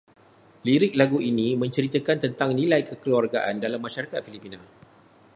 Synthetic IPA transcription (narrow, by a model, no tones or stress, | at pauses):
liɾɪk̚laɡuinĩmə̃ɲt͡ʃəɾit̪əkant̪ənt̪aŋnĩlajkəkəluarɡaʔandalamːãʃaɾakat̪̚filipinã